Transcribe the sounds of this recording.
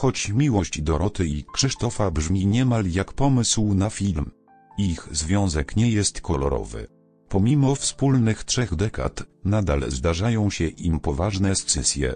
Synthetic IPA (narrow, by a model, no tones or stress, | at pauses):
xɔt͡ɕmʲiwɔɕd͡ʑd̪ɔɾɔt̪ɘikʂɘʂt̪ɔfabʐmʲiɲɛmaljakpɔmɘswnafʲilm | ixzvʲjɔ̃w̃zɛkɲɛjɛst̪kʰɔlɔ̰ɾɔ̰vɘ̰ | pɔmʲimɔfspulnɘxtʂɛɣd̪ɛka̰t̪nad̪a̰lzd̪aʐajɔ̃w̃ɕɛʔimpɔvaʐnɛst̪sɘsʲjɛ̰